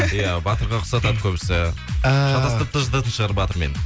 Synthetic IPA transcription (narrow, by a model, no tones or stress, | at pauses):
ijabɑt̪əɾʁɑqʰʊ̥sɑt̪ɑd̪kʲʰɵbɪsɪ | ʃɑt̪ɑst̪əp̚t̪ʰəʒd̪ət̪ʰəʃəʁɑɾəpbɑt̪əɾmḛn